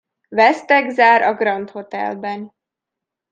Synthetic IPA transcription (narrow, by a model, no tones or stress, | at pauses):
vɛst̪ɛɡzaːɾʔɒɡrɒnt̪ho̞t̪ɛ̰lbɛn